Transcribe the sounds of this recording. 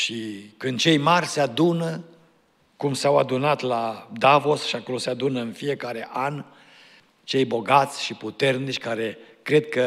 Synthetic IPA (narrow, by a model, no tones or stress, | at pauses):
ʃikɨnd̪̚t͡ʃe̞jmarʲsead̪unə | kumsawad̪unat̪lad̪avo̞sʃiako̞lo̞sead̪unəɨnfije̞kaɾe̞ʔan | t͡ʃe̞jbo̞ɡat̪sʲʃiput̪e̞rnit͡ʃʲkaɾe̞ | kɾe̞d̪̚kə